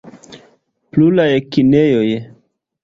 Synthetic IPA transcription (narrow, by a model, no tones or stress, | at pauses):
plulajkinejoj